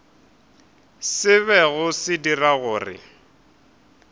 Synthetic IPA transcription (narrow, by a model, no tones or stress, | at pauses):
sɪβɛɣʊsɪdiraɣʊːrɪ̰